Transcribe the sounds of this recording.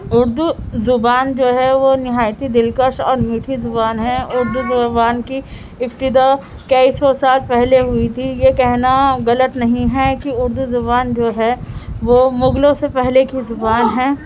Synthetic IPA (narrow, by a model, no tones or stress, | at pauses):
ʊɾd̪uzʊbaːnd͡ʒoːɦɛʋonɪɦaːjt̪id̪ɪlkəʃɔːɾmiːʈʰizʊbaːnɦɛ̃ʊɾd̪uzʊbaːnki | ɪpt̪ɪd̪a | kɐisɔːsaːlpɛɦleɦʊit̪ʰijekɛɦnaɣɐlət̪nɐɦĩɦɛkiʊɾd̪uzʊbaːnd͡ʒoːɦɛʋoːmʊɡlõsepɛɦlekizʊbaːnɦɛː